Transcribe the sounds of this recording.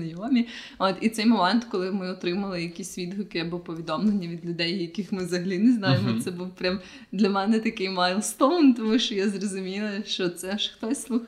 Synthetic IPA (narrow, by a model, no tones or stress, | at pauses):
ɐjɔmʲi | ot̪it̪sɛjmɔmɛnt̪kɔlˠɪmɪɔt̪ɾɪmɐlˠɪjɐkʲisʲʋʲid̪ɦʊkɪjabuwpɔʋʲid̪ɔmlˠenʲːɐʋʲid̪lʲʊd̪ɛjjɐkɪxmɪzɐɦɐlʲineznɑjemɔt̪sɛbuwpɾʲam | d̪lʲɐmɛnɛt̪ɐkɪjmajlˠst̪ɔwnt̪ɔmuʃt͡ʃɔjazrɔzʊmʲilˠɐʃt͡ʃɔt̪sɛʃxt̪ɔsʲslˠux